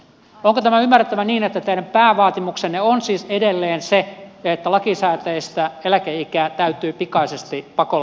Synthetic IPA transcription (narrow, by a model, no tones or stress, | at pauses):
oŋkot̪æmæymːærˑĕt̪ːæʋæniːnet̪ːæt̪einæppæːʋɑːt̪imukseneonsiːsedelːeːnsejɑet̪ːælɑkisæːt̪æest̪æelækeikæːt̪æyt̪yːpikɑisest̪ipɑko